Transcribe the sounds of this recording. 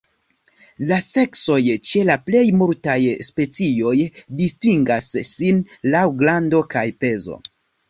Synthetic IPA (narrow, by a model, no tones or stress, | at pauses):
lase̞kso̞jt͡ʃe̞laple̞jmuɾtajspe̞t͡sio̞jdistiŋɡasːinlawɡlando̞kajpe̞zo̞̰